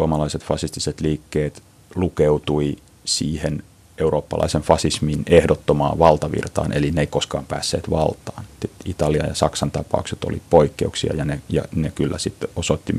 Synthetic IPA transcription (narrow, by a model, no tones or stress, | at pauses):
suomɑlɑiset̪fɑsist̪iset̪liːkːeːt̪ | lukeut̪ui | siːhen | euroːpːɑlʔɑ̰iseɱfɑsisminehdot̪ːomɑ̰ːʋɑlt̪ɑʋḭrt̪ɑ̰ːnʔelineikoskɑːmpæ̰ːsːḛːt̪ʋɑ̰lt̪ˑɑːnsit̪it̪ɑliɑ̰jɑsɑksɑnt̪ɑpɑ̰ukset̪o̰lipoikːeuksiɑ̰jɑnejɑ̰nekylːæsit̪ːosot̪ːi